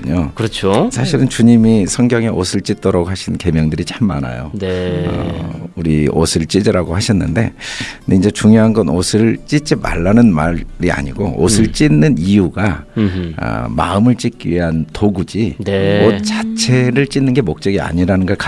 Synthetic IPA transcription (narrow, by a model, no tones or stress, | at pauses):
ɯɲokɯɾʌt͡ɕʰosʰaɕʰiɾɯnt͡ɕuɲimisʰʌŋɡjʌŋe̞ʔosʰɯɭt͡ɕ͈it̚t͈ʌɾʌɡɦaɕʰinke̞mjʌŋdɯɾit͡ɕamːa̰na̰jo̰nḛ | uɾio̰sʰɯɭt͡ɕ͈id͡ʑiɾaɡohaɕʰʌnːɯnde̞deind͡ʑe̞t͡ɕuŋjoɦanɡʌnosʰɯɭt͡ɕ͈it͡ɕ͈ima̰ɭːanɯnmaɾɾia̰ɲiɡoo̰sʰɯɭt͡ɕ͈inːɯnijuɡa̰ | ma̰ɯmɯɭt͡ɕ͈ik͈iɥiɦantoɡud͡ʑinemʌt͡ɕat͡ɕʰe̞ɾɯɭt͡ɕ͈inːɯnɡe̞mok̚t͡ɕ͈ʌɡia̰ɲiɾanɯnɡʌɭka